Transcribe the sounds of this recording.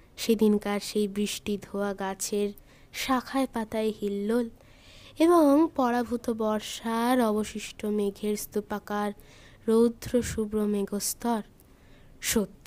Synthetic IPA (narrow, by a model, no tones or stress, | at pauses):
ʃed̪inkaɾʃejbɾiʃʈid̪ʱoaɡat͡ɕʰeɾ | ʃakʰaepat̪aeɦilːol | eβoŋpɔɽabʱut̪obɔɾʃaɾɔboʃiʃʈʰomeɡʱeɾst̪upakaɾː | owd̪ʱɾoʃubɾomeɡost̪ɔɾ | ʃot̪ːi